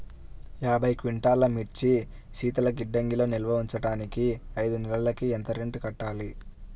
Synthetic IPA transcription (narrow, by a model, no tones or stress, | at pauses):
jaːbʱɐjkʋiɳʈaːlɐmiɾt͡ʃi | ʃiːt̪ɐlɐɡiɖːɐŋɡiloːnilʋɐuɲt͡ʃɐɽaːnikiɐjd̪unɛlɐlɐkient̪ɐɾiɳʈukɐʈːaːli